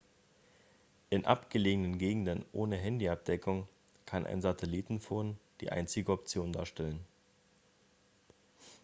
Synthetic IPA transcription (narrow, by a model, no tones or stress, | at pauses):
ʔɪnʔa̰pɡ̥əleːɡənənɡeːɡŋ̩dənʔoːnəɦɛndiap̚d̥ɛkʰʊŋ | kʰanʔa̰ɪnzatʰɛliːtn̩foːnd̥ḭːʔa̰ɪnt͡sɪɡəɔpt͡sjoːnda̰ːɐʃtɛlən